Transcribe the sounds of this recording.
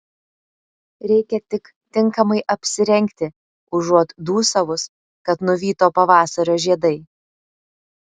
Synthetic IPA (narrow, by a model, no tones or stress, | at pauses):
ɾʲɛɪkʲɛt̪ʲɪk | t̪ʲɪŋkɐmɐɪʔɐpʲsʲɪɾʲɛŋʲkt̪ʲɪ | ʊʒuɔt̪d̪uːsɐʋʊs | kɐt̪nʊʋʲiːt̪oːpɐʋɑːsɐɾʲoːʒʲiɛd̪ɐɪ